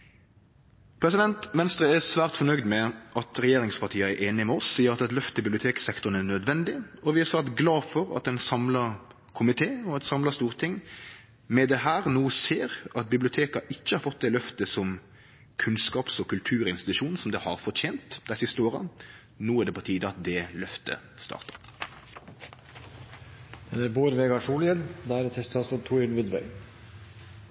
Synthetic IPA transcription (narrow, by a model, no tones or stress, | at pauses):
pʰɾɛsɪd̪ɛnt̪ʋɛnst̪ɾəæsʋæːʁt̪fɔnœʏd̪mɛʔɑt̪ɾɛjeːɾɪŋspʰɑʁt̪ʰiːəæɾʔeːnɪmɛɔsːiːəɾɑt̪ɛt̪lœft̪əbɪblʊt̪ʰeːksɛkt̪ʊnænœd̪ʋɛnd̪ɪɔʋɪæsɑt̪ɡlɑːfɔɾɑ̰t̪̚d̪ɛnsɑmlɑɾ | kʰʊmɪt̪ʰeːɔɛt̪sɑmlɑst̪uːʁt̪ʰɪŋː | mɛd̪ɛɦæːɾnuːseːɾɑt̪̚bɪblʊt̪ʰeːkɑʔɪçːəhɑɾfɔt̪̚ːd̪ɛlœft̪əsɔm | kʰʉnskɑːpsɔkʰʉlt̪ʰʉːʁɪnst̪ɪt̪ʉʂuːn̩sɔmd̪ɛhɑʁfɔɾt̪ʰeːnt̪d̪æɪsɪst̪əoːʁɑ | nuːædɖ̪ɛpʰɔt̪ʰiːd̪əɑt̪̚d̪ɛlœft̪ə̰ | st̪ɑ̰ːɾt̪ə̥ɾ | d̪̥ɛnæɾboːɾəʋeːɡɑʂuːləjɛld̪ɛæɾɛt̪ʰɛst̪ʰɑsɔt̪ʰuɪlʋɪd̪ʋœ̰ʏ